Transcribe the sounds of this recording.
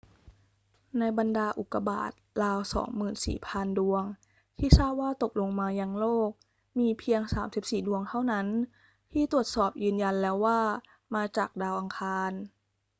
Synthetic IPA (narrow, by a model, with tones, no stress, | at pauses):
na˧jba˧ndaː˧ʔu˨˩kːa˧ba̰ː˨˩t̪̚laː˧wsɔ̰ː˩˦ŋmɯː˨˩nsḭː˨˩pʰa˧ndu˧əŋ | t̪ʰiː˥˩sa˥˩p̚waː˥˩t̪o˨˩k̚lo˧ŋmaː˧ja˧ŋloː˥˩k̚ | miː˧pʰi˧əŋsaː˩˦msi˨˩p̚siː˨˩du˧əŋt̪ʰa˥˩wna˦˥n | t̪ʰiː˥˩t̪u˨˩ət̪̚sɔː˨˩p̚jɯː˧nja˧nlɛː˦˥wːaː˥˩ | maː˧t͡ɕaː˨˩k̚daː˧wʔa˧ŋkʰaː˧n